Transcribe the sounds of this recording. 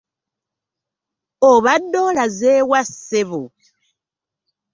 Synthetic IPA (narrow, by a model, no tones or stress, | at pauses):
oβadolazewaseβu